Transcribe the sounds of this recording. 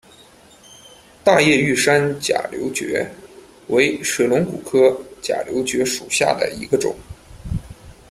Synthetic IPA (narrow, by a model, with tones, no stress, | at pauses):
t̪a˥˧jɛ˥˧y˥˩ʂa˥nt͡ɕja̰˨˩ljo˧˥ʊt͡ɕɥɛ̰˧˥ | we˧˥ɪʂɤ˨˩lʊ˧˥ŋku˨˩kʰɤ˥t͡ɕja̰˨˩ljo˧˥ʊt͡ɕɥɛ˧˥ʂu˨˩ɕja̰˥˩d̪ə̰˩ḭ˧˥ɡə˧ʈ͡ʂʊ̰˨˩˦ŋ